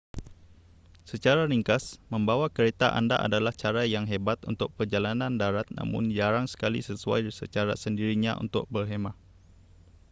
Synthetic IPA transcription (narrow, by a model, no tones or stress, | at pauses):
sət͡ʃaɾaɾiŋkasməmbawakəɾet̪aʔa̰ndaʔa̰dalaht͡ʃaɾajaŋɦebat̪unt̪ʊk̚pərd͡ʒalanandaɾat̪̚na̰mʊ̰nd͡ʒaɾaŋsə̥kalḭsəsua̰jsə̰t͡ʃaɾa̰səndiɾiɲaʔṵnt̪ʊ̰k̚bərɦemaʔ